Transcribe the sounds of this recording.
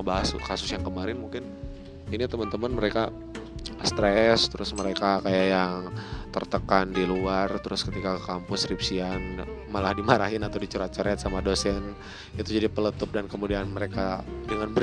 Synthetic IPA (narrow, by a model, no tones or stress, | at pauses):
baɦaskasʊsjaŋkəmaɾɪnmuŋkɪn | init̪əmənt̪əmənməɾeka | st̪ɾɛst̪əɾʊsməɾekakajajaŋt̪ərt̪əkandiluart̪əɾʊskət̪ikakampʊsripsianmalahdimaɾaɦɪnat̪awdit͡ʃuɾat͡ʃaɾɛt̪̚samadosɛn | it̪ud͡ʒadipələt̪ʊp̚dankəmudianməɾekadəŋanbə